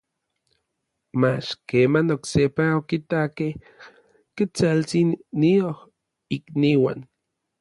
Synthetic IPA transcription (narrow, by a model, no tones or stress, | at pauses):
mat͡ʃkeːmanoksepaokit̪akeh | ket͡salt͡sinːioh | ikniwa̰n